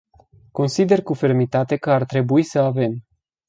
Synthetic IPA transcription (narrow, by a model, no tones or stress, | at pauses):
ko̞nsid̪e̞rkufe̞rmit̪at̪e̞kəart̪ɾe̞buisəave̞m